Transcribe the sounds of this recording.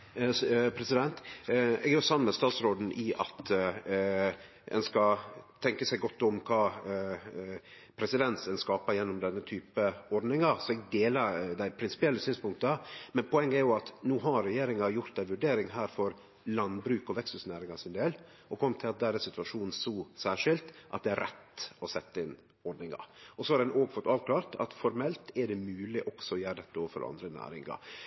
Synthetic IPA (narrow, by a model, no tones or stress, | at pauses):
pʰɾɛsɪd̪ɛnt̪ɛ̰ɡæjʊsɑmnmɛst̪ɑːt̪sɾoːd̪n̩ʔɪʔɑ̰t̪ | ɛ̰nskɑt̪ʰɛŋkəsæɪɡɔt̪ːɔmkʰɑː | pʰɾɛsɪd̪ɛnsɛnskɑːpɑjɛnːʊmd̪ɛnːət̪ʰyːpəɔɾɖ̪nɪŋɑsɔɛɡd̪eːlɑɾd̪æɪpʰɾɪnsɪ̥pɪɛlːəsyːnspʊŋk̚t̪əmɛnpʰʊɛŋːəɛɾjʊɑt̪nuːɦɑɾɾːɛjeːɾɪŋɑjʊɾt̪̚d̪æɪʋʉɖeːɾɪŋɦæːɾfɔɾ | lɑnbɾʉːkɔʋɛkst̪ʉsnæːɾɪŋɑʂɪnd̪eːl | ɔkʰɔmːt̪ʰɪlɑt̪̚d̪æːɾɛsɪt̪ʉʋɑʂuːnn̩sɔːsæːʂɪlt̪ʔɑ̰t̪̚d̪ɛæɾɛt̪ːɔsɛt̪ːəɪn | ɔɾɖ̪nɪŋɑ̰ɾɔsɔhɑɾɛnʔoːɡfɔt̪ːɑːʋkʰlɑːɾt̪ʰɑ̰t̪fɔɾmɛlt̪ɛɖɛmʉːlɪʔɔksɔɔjæːɾəd̪ɛt̪ːəoːʋəfɔ̰ɾʔɑ̰nd̪ɾənæ̰ːɾɪ̰ŋɑ̰ɾ